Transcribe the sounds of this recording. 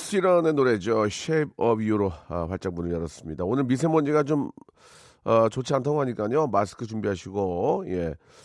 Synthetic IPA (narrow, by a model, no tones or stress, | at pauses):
ɕʰiɾʌnenoɾe̞d͡ʑoɕʰeb̚ʌbjuɾoʌɸaɭt͡ɕ͈aŋpunɯɭjʌɾʌs͈ɯmɲidaonɯɭmis̬ʰe̞moɲd͡ʑiɡat͡ɕom | ʌt͡ɕot͡ɕʰiantʰaɡoɦaɲik͈aɲomasɯ̥kʰɯt͡ɕumbiɦaɕʰiɡoje̞